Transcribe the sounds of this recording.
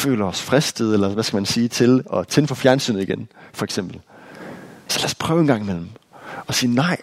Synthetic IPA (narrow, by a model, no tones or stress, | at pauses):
fø̰ːlɐɒsfʁɛsd̥əð̩ˠelɐʋæsɡ̥æmænsiːt͡sʰe̝lɒ̽t͡sʰenfɒfjæɐnsy̰ːnð̩ˠiɡ̥enfɒ̽eɡ̥sem̰b̥l̩ | sɒlæspʰʁœːʊe̝nɡ̥ɑ̈ŋmel̰m̩ɒ̽siːnɑ̈ɪ̰